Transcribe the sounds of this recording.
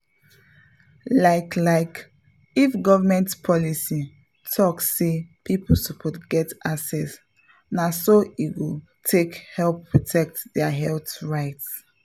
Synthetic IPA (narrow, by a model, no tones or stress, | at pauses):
laɪklaɪk | ifɡɔvəmɛ̃ntpʰɔlisi | tʰɔksepʰiposɔpʰɔtɡɛtaksɛs | nasoiɡu | tʰekhɛlpːɹɔtʰɛk̚tdɛaɦɛlθɹaɪts